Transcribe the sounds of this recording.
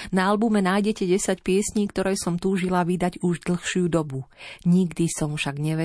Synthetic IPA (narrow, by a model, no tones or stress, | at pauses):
naalbumɛnaːjɟɛcɛɟɛsacpɪɛsɲiːkt̪ɔɾɛjsɔmt̪uːʒilaʋid̪aɟuʒd̪l̩xʃɪud̪ɔbuɲiɡd̪isɔmfʃaɡɲɛʋɛ